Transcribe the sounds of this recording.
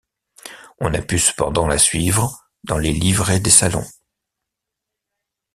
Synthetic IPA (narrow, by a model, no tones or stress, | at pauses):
ɔ̃napysə̥pɑ̃d̪ɑ̃lasɥivʁə | d̪ɑ̃lelivʁed̪esalɔ̰̃